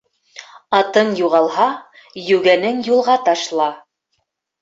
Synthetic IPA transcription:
ɑt̪ɤɴjuʁɑlˠhɑ | jɵɡænɘŋjulˠʁɑt̪ɑʃlˠɑ

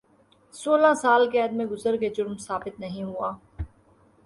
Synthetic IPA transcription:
soːlãsaːlkeɐd̪mẽɡʊzəɾked͡ʒʊɾmsaːbɪt̪nɐɦĩɦuaː

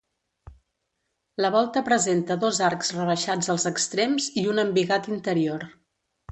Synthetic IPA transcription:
ləβ̞ɔlˠt̪əpɾəzent̪əðozaɾkzrəβ̞əʃad͡zəlˠzəkst̪ɾemziunəmbiɣat̪int̪əɾioɾ

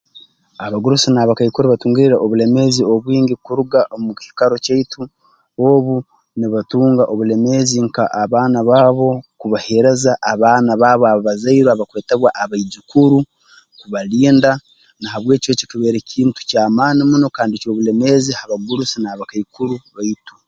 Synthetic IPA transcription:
aβaɡuɾusinaːβakaikuɾuβatuːŋɡiiɾaʔoβule̞me̞zioβwiːŋɡikuɾuɡaʔomuki̥i̥kaɾocaitu | oβu | niβatuːŋɡaʔo̞βule̞me̞ziŋkaʔaβaːnaβaːβo̞kuβahe̞ɾe̞zaʔːβaːnaβaːβoaβoβazaiɾoaβakweːteβwaʔaβaid͡ʒukuɾu | kuβaliːnda | nahaβwe̞ːcwo̞cikiβe̞ːɾecʰiːntu̥caːmaːnimuno̞kaːndico̞ːβule̞me̞zihaβaɡuɾusinaβakaikuɾuβaitu

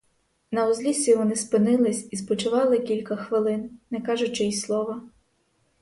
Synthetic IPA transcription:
nɐɔzʲlʲisʲiʋɔnɪspɪnɪlˠɪsʲispɔt͡ʃʊʋɑlˠɪkʲilʲkɐxʋɪlˠɪnnɛkɑʒʊt͡ʃɪjislˠɔʋɐ

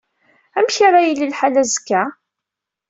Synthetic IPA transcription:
æmçaɾˤajilːilħalæzə̥kːæ

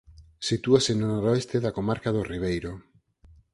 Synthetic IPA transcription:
sit̪uasenonoɾoest̪eðakomaɾkaðoriβ̞ejɾo

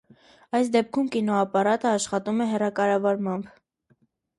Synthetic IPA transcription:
ɑjsd̪ɛp̚kʰumkinɔɑpɑɾɑt̪əɑʃχɑt̪umɛɦɛrɑkɑɾɑvɑɾmɑmb

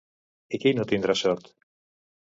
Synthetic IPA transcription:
ekejnot̪ind̪ɾasɔɾt̪

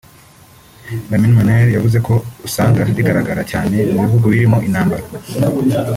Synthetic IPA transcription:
daminmaneɾjavuze̞kʰo̞usaːŋɡaaɾiɡaɾaɡaɾacaːne̞muβivuɡuβiɾimoʔinaːmbaɾa

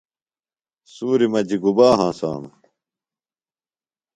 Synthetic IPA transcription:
suːɾimɐd͡ʑiɡubaːɦãːsa̰ːm

